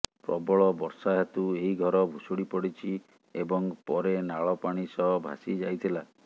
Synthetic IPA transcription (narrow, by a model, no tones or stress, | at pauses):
pɾɔ̰bɔɭɔbɔɾsaɦɔt̪ueɦiɡʱɔɾɔbʱusuɽipɔɽit͡ʃʰi | ebɔŋpɔɾenaɭɔpaɽ̃isɔɦbʱa̰sid͡ʒajt̪ʰila